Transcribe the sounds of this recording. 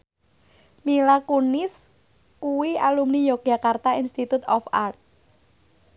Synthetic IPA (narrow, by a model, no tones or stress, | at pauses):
milakunɪs | kuwialumnijɔɡ̥a̤kart̪ainst̪it̪ut̪ɔfart̪̚